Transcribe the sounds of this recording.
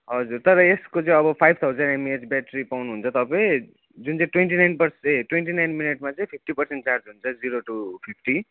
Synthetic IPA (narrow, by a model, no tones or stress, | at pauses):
ɦʌd͡zurt̪ʌɾʌeskot͡sʌĩʌbʌpʰajb̚t̪ʰawd͡zʌnemied͡zbjaʈripawnuɦunt͡sʰʌt̪ʌpaĩ | d͡zunt͡sʌĩʈwenʈinajnpʌrseʈweɳʈinajnmineʈmat͡saĩpʰip̚ʰʈipʌrseɳʈt͡sard͡zɦunt͡sʰʌd͡ziɾoʈupʰipʰʈi